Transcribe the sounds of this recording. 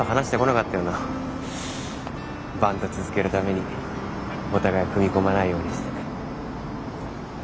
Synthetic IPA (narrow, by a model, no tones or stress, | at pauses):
oɦanaɕi̥t̪eko̞nakat̪ːajono | bãnt̪o̞t͡sɨzɨke̞ɾɯ̟t̪ame̞ɲ̟i | o̞t̪aɡaekɯ̟mʲiko̞manaijo̞ːɲ̟iɕi̥t̪e̥n